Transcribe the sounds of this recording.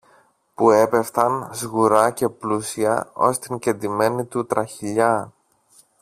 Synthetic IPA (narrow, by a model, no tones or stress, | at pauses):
pue̞pe̞ft̪ɐnzɣuɾɐce̞plusiɐ̰o̞̰st̪iɲɟe̞nd̪ime̞nit̪ut̪ɾɐçiʎɐ